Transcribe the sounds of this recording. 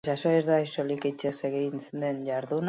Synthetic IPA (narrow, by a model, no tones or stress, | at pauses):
sasoiɾðajsoliket͡ʃeseɣinsnd̪enʝaɾðun